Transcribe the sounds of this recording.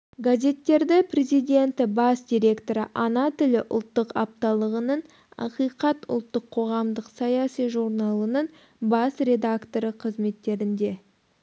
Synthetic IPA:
ɡazʲe̞t̪ːe̞ɾd̪ɪpʰrʲe̞zijd̪ʲe̞nt̪ɪbɑsd̪ʲijɾʲe̞kt̪o̞ɾə̰ʔɑnɑt̪ʏlɪʔʊ̰lˠt̪ːəqɑp̚t̪ɑlˠəʁənəɴ | ɑ̰qijqɑt̪ʊ̰lˠt̪ːəqʰːo̞ʁɑmd̪əqsɑjasijʒuɾnɑlˠənəɴ | bɑsrʲe̞d̪akt̪o̞ɾəqʰəzme̞t̪ːe̞ɾɪnd̪e̞

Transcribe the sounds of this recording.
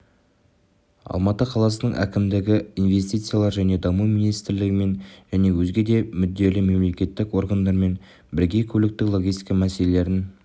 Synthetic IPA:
ɑ̰lˠmɑt̪əqʰɑlˠɑsənəɴʔæ̰kʲɪmd̪ɪɡʲɪinve̞st̪ijt̪sɨjalˠɑɾʒæne̞d̪ɑmuminijst̪ɪɾlɪɡʲɪme̞nʒ̥æne̞wɵzɡʲe̞d̪e̞mʏd̪ːe̞lɪme̞mle̞kʲe̞t̪ːɪkwo̞ɾɡand̪ɑɾme̞n | bɪɾɡʲe̞kʲʰɵlɪk̚t̪ɪklˠo̞ɡʲijst̪ijkamæse̞lele̞ɾɪn

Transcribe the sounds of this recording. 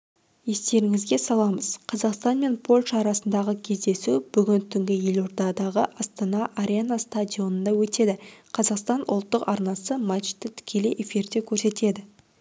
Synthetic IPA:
je̞st̪e̞ɾɪŋɪzɡʲe̞sɑlˠɑməz̥qʰɑzɑqst̪ɑnme̞npʰo̞lʲʃɑːɾɑsənd̪ɑʁəkʲʰe̞zd̪e̞sub̥ʏɡʲɪnt̪ʰʏŋɡʲɪje̞lʲo̞ɾd̪ɑd̪ɑʁəʔɑst̪ɑnɑʔaɾʲenast̪ad̪ʲio̞nənd̪ɑwɵt̪e̞d̪ɪqʰɑzɑqst̪ɑnʔʊlˠt̪ːəqɑɾnɑsəmat͡ʃt̪ɪt̪ʰʏ̥kʲʰe̞leʔe̞fʲiɾd̪e̞kʲʰɵɾse̞t̪e̞d̪ɪ

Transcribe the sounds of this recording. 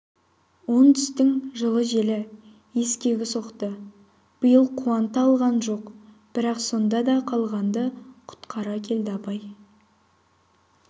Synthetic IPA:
wo̞nt̪ʰʏ̥st̪ɪŋʒəlˠəʒe̞lɪ | je̞skʲe̞ɡʲɪso̞qt̪ə | b̥əjəlˠqʰuɑnt̪əɑlˠʁɑnʒo̞q | b̥ɪɾɑqso̞nd̪ɑd̪ɑqʰɑlˠʁɑnd̪əqʰʊ̥t̪qɑɾɑkʲʰe̞ld̪ɪɑpɑj

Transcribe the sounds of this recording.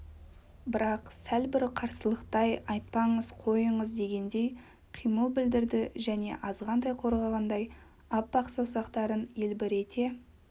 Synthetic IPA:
bɪɾɑqsælbɪɾqʰɑɾsəlˠəqt̪ɑjɑjt̪̚pɑɴəz̥qʰo̞jəɴəzd̪e̞ɡʲe̞nd̪e̞j | qʰijməlˠbɪld̪ɪɾd̪ɪʒæne̞̰ʔɑzʁɑnd̪ɑjqʰo̞ɾʁɑʁɑnd̪ɑj | ɑp̚bɑqsɑwsɑqt̪ɑɾənelbɪɾe̞t̪ʰe̞

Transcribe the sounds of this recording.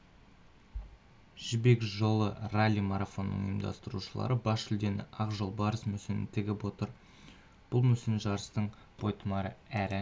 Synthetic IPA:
ʒ̥ɪbekʒo̞lˠəralʲːijmɑɾafo̞nːə̰ɴḭjəmd̪ɑ̰st̪əɾṵʃəlˠɑ̰ɾəbɑʃʏld̪e̞nɪ̰ʔɑqʒolˠbɑɾəsmɵsɪnɪ̰nt̪ʰɪɡʲɪpwo̞t̪əɾ | b̥ʊlˠmɵsɪnʒɑɾəst̪əɴ | b̥o̞jt̪əmɑɾəæɾɪ

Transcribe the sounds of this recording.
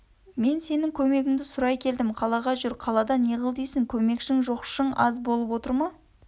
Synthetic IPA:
me̞nse̞nɪŋkʲʰɵme̞ɡʲɪŋd̪ɪsʊɾɑjkʲʰe̞ld̪ɪmqʰɑlˠɑʁɑʒʏɾqʰɑlˠɑd̪ɑneʁəlˠd̪ejsɪŋkʲʰɵme̞kʃɪŋʒo̞qʃəɴɑzbo̞lˠəpwo̞t̪əɾmɑ

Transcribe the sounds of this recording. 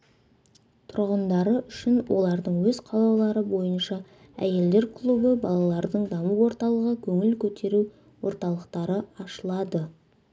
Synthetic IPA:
t̪ʰʊɾʁənd̪ɑɾəʔʏʃɪnwʔo̞̰lˠɑɾd̪əɴwɵz̥qʰɑlˠɑlˠɑɾəbo̞jənʃɑ | æ̰je̞ld̪e̞ɾkʰlˠubəbɑlˠɑlˠɑɾd̪əɴd̪ɑməwo̞ɾt̪ɑlˠəʁəkʲʰɵŋɪlkʲʰɵt̪e̞ɾu | wo̞̰ɾt̪ɑlˠəqt̪ɑɾəɑʃəlˠɑd̪ə

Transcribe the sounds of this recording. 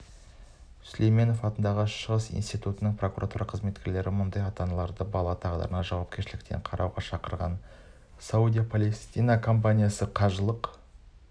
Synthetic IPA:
slʔejme̞no̞fɑt̪ənd̪ɑʁəʃəʁəsḭjnst̪ijt̪ut̪ənəɴpro̞kuɾʔat̪uɾɑqʰəzme̞t̪kʲeɾle̞ɾɪmʊnd̪ɑjɑt̪ɑnɑlˠɑɾd̪əbɑlˠɑt̪ʰɑʁəd̪ə̰ɾənɑʒɑwɑp̚kʲe̞ɾʃɪlɪkt̪e̞̰ɴqʰɑɾʔɑwʁɑʃɑqəɾʁɑ̰n | saud̪ʲijapʰolʲest̪ijnakʰo̞mpanʲijasəqʰɑʒəlˠəq

